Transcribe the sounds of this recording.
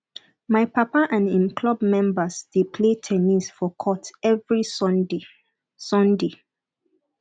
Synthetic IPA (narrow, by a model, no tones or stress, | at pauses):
maɪpapaʔãnĩmkʰlɔbmɛ̃mbəsd̥epʰletʰɛnisfɔkʰɔtɛvɹis | sɔ̃nde